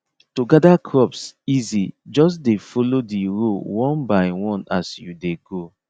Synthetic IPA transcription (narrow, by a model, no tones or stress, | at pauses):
toɡadakʰɹɔpsizid͡ʒɔs̬defolodiɹowɔ̃nbaɪwɔ̃nasjudeɡo